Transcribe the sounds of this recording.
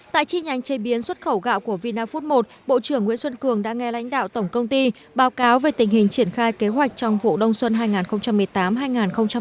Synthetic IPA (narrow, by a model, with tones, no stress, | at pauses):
t̪a̰ː˧˨jt͡ɕi˧ɲa˨˦jŋ̟t͡ɕe˨˦ɓi˨˦ənswə˦˥t̚xə˧˩wɣa̰ː˧˨wku˧˩əvi˧naː˧fu˦˥t̚mo˨˩t̚ɓo̰˧˨t͡ɕɨ˧˩əŋːwḭ˧˥ənswə˧nkɨ˨˩əŋɗa̰ː˧˥ŋɛ˧la̰˧˥jŋ̟ɗa̰ː˧˨wt̪ə˧˩wŋ͡mkə˧wŋ͡mt̪i˧ | ɓaː˨˦wkaː˨˦wve˨˩t̪ï˨˩ŋ̟hï˨˩ŋ̟t͡ɕi˧˩ənxaː˧jke˨˦ɦwa˨˩jk̟̚t͡ɕɔ˧wŋ͡mvṵ˧˨ɗə˧wŋ͡mswə˧nɦaː˧jŋaː˨˩nxə˧wŋ͡mt͡ɕa˧mːɨ˨˩əjt̪aː˨˦mɦaː˧jŋaː˨˩nxə˧wŋ͡mt͡ɕa˧